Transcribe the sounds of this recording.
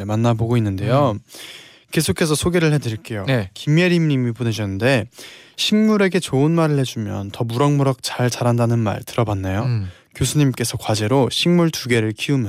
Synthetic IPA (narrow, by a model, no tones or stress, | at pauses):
manːaboɡoinːɯnde̞jo | ke̞sʰokʰe̞s̬ʰʌsʰoɡe̞ɾɯɭhedɯɾiɭk͈e̞jokimeɾimɲimipone̞d͡ʑʰʌnːɯnde̞ | ɕʰiŋmuɾe̞ɡe̞t͡ɕoɯnmaɾɯɭhe̞d͡ʑumjʌntʌmuɾʌŋmuɾak̚t͡ɕaɭt͡ɕaɾandanɯnma̰ɭtɯɾʌbanːajo | kjosʰuɲimk͈e̞sʰʌkwad͡ʑe̞ɾoɕʰiŋmuɭtuɡe̞ɾɯɭkiumjʌ